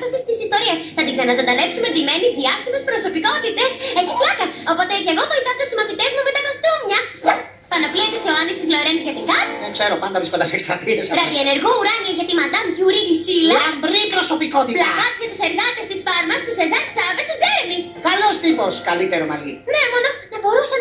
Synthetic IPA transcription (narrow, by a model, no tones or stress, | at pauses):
t̪ɐsist̪isist̪o̞ɾiɐsθɐt̪iɡzeɾnɐzɐnd̪ɐle̞psumeðimeniðiɐsimespɾo̞so̞piko̞t̪it̪e̞seçilɐkɐo̞pot̪eceɣo̞vo̞iθɐnt̪esimɐθit̪e̞zmumet̪ɐpɐst̪omɲɐ | pɐnopliɐt̪isoɐnist̪izloɾenizʝɐt̪ikɐt̪iðeŋɡseɾopɐnd̪ɐvɾiskond̪ɐsekst̪ɾɐt̪iesɾɐviene̞ɾɣo̞uɾɐnioʝɐt̪imɐnd̪ɐmcuɾiðisilɐbɾipɾoso̞pikot̪iplɐpɐt̪çɐt̪u̥seɾðɐt̪est̪isfɐɾmɐst̪usezɐnt͡sɐvest̪id͡zeɾmi | kɐlo̞st̪ixo̞skɐlit̪eɾomɐʝḭne̞mo̞no̞nɐbo̞ɾusɐ